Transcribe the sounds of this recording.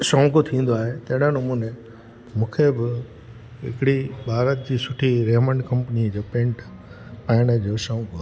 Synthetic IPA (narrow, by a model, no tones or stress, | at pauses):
sãʊ̃kot̪ʰĩːn̆d̪oaːɦet̪ɐ̃ɦɪɽãnɐmuːnẽ | mũːkʰebɪ | ɦɪ̰kɽibʱaːɾət̪̚d͡ʑiːsʊʈʰiɾeːmə̃ɳɖkɐ̃mpnid͡ʑoːpẽːɳʈ | paɪɽ̃əd͡ʑoːsãʊ̃ko